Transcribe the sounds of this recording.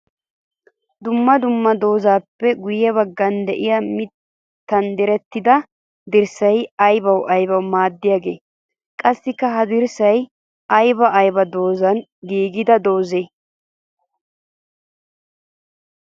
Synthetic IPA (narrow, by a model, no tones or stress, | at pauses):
d̪ʊmːɐd̪ʊmːɐd̪o̞ːzaːpːɛɡʊjɛβɐɡːɐnd̪ɛʔɪjɐmɪt̪ː | ɐnd̪ɛɾɛt̪ːɪd̪ɐ | d̪ɪɾsɐjɐjbɐwʔɐjbɐwmaːd̪ːɪjaːɡe̞̰ː | kʼɐsːɪkːɐɦɐd̪ɪɾsɐj | ʔɐjbɐʔɐjbɐd̪o̞ːzɐnɡiːɡɪd̪ɐd̪o̞ːzeː